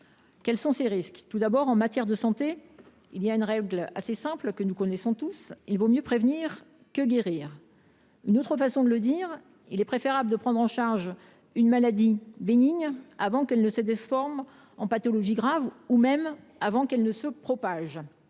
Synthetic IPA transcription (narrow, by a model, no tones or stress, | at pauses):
kʲɛlsɔ̃seʁiskt̪ud̪abɔʁɑ̃mat̪jɛʁd̪əsɑ̃t̪e | ilijaynʁɛɡlasesɛ̃plkənukɔnɛsɔ̃t̪usilvomjøpχevniʁ | kəɡʲeʁiːʁ | ynot̪χəfasɔ̃d̪ələd̪iʁ | ilɛpχefeʁabləd̪əpχɑ̃d̪ʁɑ̃ʃaʁʒ | ynmalad̪ibeniɲavɑ̃kɛlnəsəd̪ɛsfɔʁm | ɑ̃pat̪ɔlɔʒiɡʁavumɛm | avɑ̃kɛlnəsəpχɔpaʒ